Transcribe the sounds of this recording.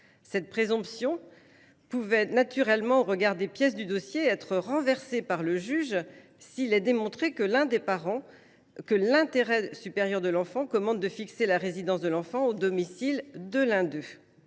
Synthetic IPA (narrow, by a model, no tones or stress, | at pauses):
sɛt̪̚pχezɔ̃psjɔ̃ | puvɛnat̪yʁɛlmɑ̃oʁəɡaʁd̪epjɛs̬d̪yd̪ɔsjeɛt̪χəʁɑ̃vɛʁsepaʁləʒyʒ | silɛd̪emɔ̃t̪χekəlɛ̃d̪epaʁɑ̃ | kəlɛ̃t̪eʁɛsypeʁjœʁd̪əlɑ̃fɑ̃kɔmɑ̃d̪̚d̪əfikselaʁezid̪ɑ̃sd̪əlɑ̃fɑ̃od̪ɔmisild̪əlɛ̃d̪ø